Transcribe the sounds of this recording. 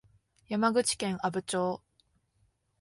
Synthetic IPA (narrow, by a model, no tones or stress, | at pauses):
jamaɡɯ̟t͡ɕi̥kẽ̞ɰ̃abɯ̟t͡ɕoː